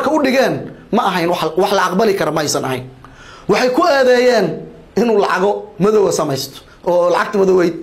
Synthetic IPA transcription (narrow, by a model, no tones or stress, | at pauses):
kʰɐʊɖɪɣɛːnmɐʔɐɦɛjnwwɑħlɐɑqbɐlɪkʰɐɾɔmɐɛjsɐnɐɦɛ̰jn | wɑħɑjkʰʊɛːðɛːjɛːn | ɪnuːlɑʕɑɣɔmɐðɔwɐsɐmɛjst̪ʰɔ̥ː | lɑʕɑɡ̚t̪ʰɐmɐðɔwɛjd̪̚